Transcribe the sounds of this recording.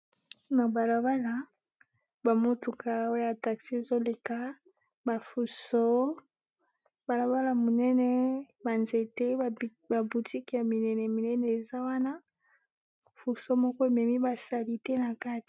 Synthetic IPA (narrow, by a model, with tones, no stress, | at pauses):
na˨ba˨la˨ba˦la˨ | ba˨mo˦tu˨ka˨o˦jja˨ta˨ksi˦e˨zo˦le˨ka˦ | ba˨fu˨so˦ | b̥a˨la˨ba˦la˨mo˨nɛ˦nɛ˦ | ba˨nze˨te˦ | ba˨bu˨ti˦ki˨ja˨mi˨nɛ˨nɛ˨mi˨nɛ˦nɛ˨e˨za˦wa˦na˦ | fu˨so˦mɔ˦kɔ˦e˨mɛ˨mi˦ba˨sa˦li˦tɛ˦na˨ka˦ti̥˨